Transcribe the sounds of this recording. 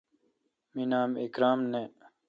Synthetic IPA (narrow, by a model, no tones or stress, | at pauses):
minaːmekɾaːmneː